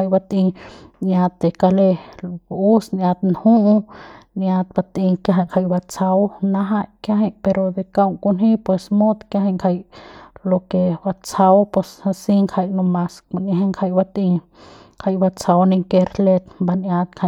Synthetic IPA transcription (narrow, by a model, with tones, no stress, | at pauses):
a˧jba˧t̪ĩ˧nja˧t̪ːe˨ka˧le˧ | u˦snja˧t̪nhũ˦ʔnja˧t̪̚ba˧t̪ĩ˧ka˧ɦa˧˨ŋkʰa˧jba˧t͡sa˧wnã˧˦ɦa˧jkjã˦ɦe˧˦pe˧ɾo˧d̪e˧ka˧wŋku˧nɦĩ˦pwe˧smo˦d̪kjã˦ɦa˧ŋkʰa˧jlo˧ke˧ba˧t͡sa˧wpwe˧sa˧si˦ŋkʰa˧jnõ˧mã˧ska˧nã˧ha˦ŋkʰa˧jba˧t̪ĩ˧ | ŋkʰa˧jba˧t͡sa˧wni˧ŋke˧ɾle˧t̪mba˧nja˧t̪kʰa˧˨